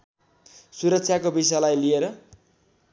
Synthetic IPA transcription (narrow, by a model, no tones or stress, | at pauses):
suɾʌksʰjakobis̬alajlieɾʌ